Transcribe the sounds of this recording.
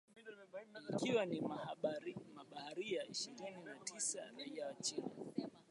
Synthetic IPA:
ikiwanima | maɓahaɾijaiʃiɾininatʰisaɾaijawat͡ʃina

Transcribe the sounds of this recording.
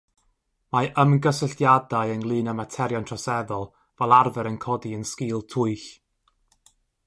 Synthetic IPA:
maʔəmnɡəsəɬtjadaɨənlˠɨːnamatʰɛɾjɔntʰrɔsɛðɔlˠ | vɛlˠarvɛɾənkʰɔdiənskɨːlˠtʰʊɨɬ

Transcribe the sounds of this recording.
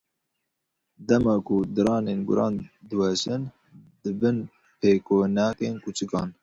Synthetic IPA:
d̪ɛmɑːkʊd̪ɨɾɑːneːnɡʊ̰ɾɑːnd̪ɨwɛʃɨn | d̪̥ɨbɨn | pʰeːkʰoːnɑkeːnkut͡ʃʰɨkɑ̰ːn

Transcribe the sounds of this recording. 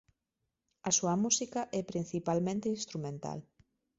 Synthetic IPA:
ɐsuɐmusikɐʔɛpɾin̟θipalmẽnt̪einst̪ɾumẽnt̪a̰l

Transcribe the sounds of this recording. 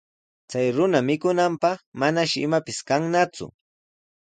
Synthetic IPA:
t͡sajɾʊnamɪkʊnampɑχmanaʃɪɪmapɪskaŋnat͡sʊ̰

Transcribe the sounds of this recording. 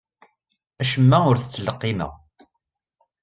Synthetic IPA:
æʃəmːæʊɾθət͡sːələqːimə̰ʁ

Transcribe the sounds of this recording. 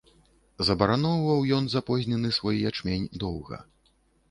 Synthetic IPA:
zɐbɐɾanɔwvɐwjɔnzapɔzʲnʲɛnɨsvɔjijat͡ʂmʲenʲd̪ɔwɣɐ̰

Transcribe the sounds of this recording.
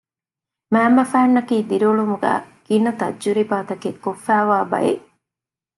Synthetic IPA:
mæːmːɐfæːnːɐkiːd̪iɾoːɭumuɡæ̰ː | ɡ̥inɐt̪ɐ̰d͡ʒuɾibaːt̪ɐkekːofːæːʋaːbɐ̰jḛ

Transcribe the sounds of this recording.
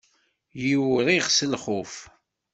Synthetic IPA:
jiwɾiʁsəlχʊf

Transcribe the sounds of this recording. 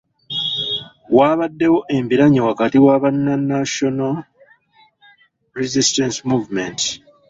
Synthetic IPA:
waːβadːe̞wo̞ʔe̞mbiɾaɲiwakatiwaβanːanːaʃona | ɾizistensimuːvment

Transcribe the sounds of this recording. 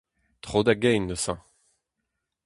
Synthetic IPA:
t̪χod̪aɡɛjnːəsɑ̰̃

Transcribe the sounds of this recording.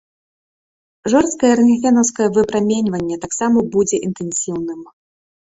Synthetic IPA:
ʐɔrst̪kɐjɛɾɨnʲifʲɛnɐwskɐjɛvɨpɾamʲenʲvɐnʲːɛt̪aksamɐbud͡zʲɛʔint̪ɛnsʲiwnɨm

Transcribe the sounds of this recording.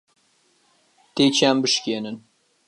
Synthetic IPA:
t̪et͡ʃʰaːmbɨʃkʲeːnɨn

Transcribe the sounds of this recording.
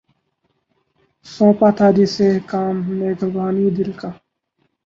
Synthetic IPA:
sõːpat̪ʰaːd̪isekaːmːeːɡʱəbaːniːd̪ɪlka

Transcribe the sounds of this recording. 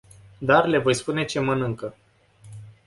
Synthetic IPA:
d̪arle̞vo̞jspune̞t͡ʃe̞mənɨŋkə

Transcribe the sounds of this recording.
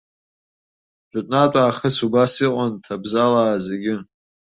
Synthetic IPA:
d͡ʒʷʼʊtʼnatʼaːχəsubasiqʷʼantʰabzalaːzeɡʲɪ

